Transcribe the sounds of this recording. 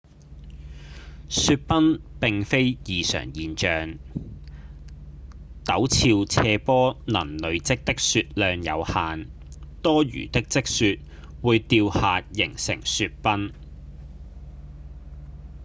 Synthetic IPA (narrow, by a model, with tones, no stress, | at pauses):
syː˧t̚pɐ˥npɪ˨ŋfe˥jjiː˨sœ̰ː˨˩ŋjiː˨nt͡ʃœː˨ŋ | t̪ɐ˨˥wt͡sʰiː˧wt͡sʰɛː˧pɔː˥nɐ̰˨˩nlɵ˨˧ɥt͡sɪ˥k̚t̪ɪ˥k̚syː˧t̚lœː˧ŋjɐ̰˨˧whaː˨n | t̪ɔː˥jy̰ː˨˩t̪ɪ˥k̚t͡sɪ˥k̚syː˧t̚ | wuː˨˧jt̪iː˧whaː˨˧tjɪ˨˩ŋsɪ̰˨˩ŋsyː˧t̚pɐ˥n